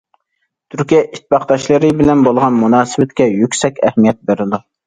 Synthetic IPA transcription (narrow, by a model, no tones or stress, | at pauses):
t̪ʰyɾkʲijɛʔit̪̚ʰːbɑqd̪ɑʃlˠɨɾɨbɪlɛnbolˠʁɑnmunɑːsɨwɛt̪kʲɛjykʲsɛkʲɛhmijɛt̪̚beɾɪd̪u